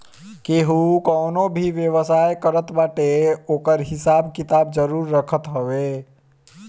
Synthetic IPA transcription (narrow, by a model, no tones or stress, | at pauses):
keɦukɔːnobʱiʋjəʋəsaːjkəɾət̪baːʈeoːkəɾɦɪsaːbkɪt̪aːbd͡ʒəɾuːɾːəkʰət̪ɦəʋe